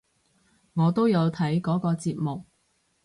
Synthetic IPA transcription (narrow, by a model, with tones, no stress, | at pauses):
ŋɔː˨˧t̪o˥wjɐ˨˧wt̪ʰɐ˨˥jkɔː˨˥kɔː˧t͡siː˧p̚mʊ˨k̚